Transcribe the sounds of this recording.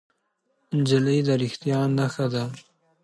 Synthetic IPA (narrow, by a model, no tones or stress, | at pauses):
nd͡ʒɪləjd̪aɾɪxt̪ijɑnːaxad̪a